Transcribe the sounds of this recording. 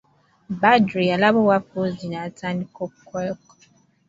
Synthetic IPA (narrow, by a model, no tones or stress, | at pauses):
badɾialabɔwafozinatʰanikɔkːɛk